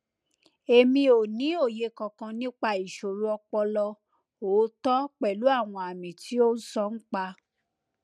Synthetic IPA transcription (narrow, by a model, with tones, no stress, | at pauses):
e˨mĩ˧o˨nĩ˨˦o˦˨je˨˧kɔ̃˨˧kã˧nĩ˦k͡pa˧i˨ʃo˨ɾu˨˦ɔ˧k͡pɔ˧lɔ˧ | oː˨˦tɔ˦k͡pɛ˨lu˨˦a˦˨w̃ɔ̃˧a˨mĩ˨ti˨˦o˦n̩˦sɔ˦n̩˦k͡pa˧